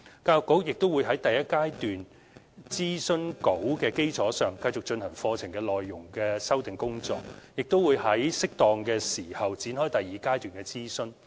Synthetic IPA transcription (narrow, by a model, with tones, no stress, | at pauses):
kaː˧jkːo˨˥wjɪ˨k̚t̪o˥wuː˨˧jɦɐ˨˥jt̪ɐ˨jɐ˥t̚kaː˥jt̪yː˨n | t͡siː˥sɵ˥nko˨˥wkɛː˧ke˥jt͡sʰɔː˨˥sœː˨ŋkɐ˧jt͡sʊ˨k̚t͡ʃɵ˧nhɐ˨˩ŋfɔː˧t͡sʰɪ˨˩ŋkɛː˧lɔː˨jːʊ˨˩ŋkɛː˧sɐ˥wt̪ɪ˨˩ŋkʊ˥ŋt͡sɔː˧k̚jɪ˨k̚t̪o˥wuː˨˧jhɐ˨˥jsɪ˥k̚t̪ɔː˧ŋkɛː˧siː˨˩hɐ˨˩wt͡siː˨˥nɦɔː˥jt̪ɐ˨jːiː˨˧kaː˥jt̪yː˨nkɛː˧t͡siː˥sɵ˥n